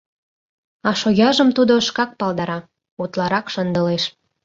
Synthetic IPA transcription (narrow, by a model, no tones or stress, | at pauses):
ɑʃojɑʒə̆mt̪ud̪oəʃkɑk̚pɑld̪ɑɾɑ | ut̪lɑɾɑkʃənd̪əleʃ